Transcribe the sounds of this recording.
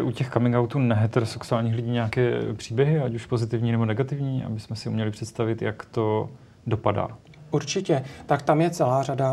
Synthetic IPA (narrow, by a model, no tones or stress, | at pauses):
ʔucɛxkamɪŋɡawt̪uːnɛɦɛt̪ɛɾosɛksuaːlɲiːxlɪɟiːɲɛakɛːpr̝̥iːbjɛɦɪacuʃpo̞zɪt̪ɪvɲiːnɛbo̞nɛɡat̪ɪvɲiːʔa̰bɪsmɛsɪumɲɛlɪpr̝̥ɛt̪st̪avɪt̪jakt̪o̞ | do̞pada̰ː | ʔuɾt͡ʃɪcɛt̪akt̪amjɛt͡sɛlaːrada